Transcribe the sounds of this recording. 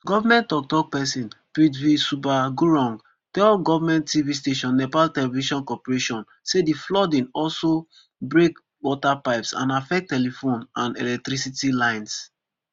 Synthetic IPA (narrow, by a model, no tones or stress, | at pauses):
ɡɔvamɛ̃ntːɔk̚tɔk̚pɛsĩnpɹitvisupaɡuɹɔ̃ŋɡ | tɛlɡɔvamɛ̃nttivisteʃɔ̃nːɛpaltɛlɛviʃɔ̃nkɔpɹeʃɔ̃n | sediflɔdĩnɔlso | bɹek | wɔtapaɪpsã̰nafɛk̚tːɛlifõnãnɛlɛk̚tɾisitilãɪ̃ns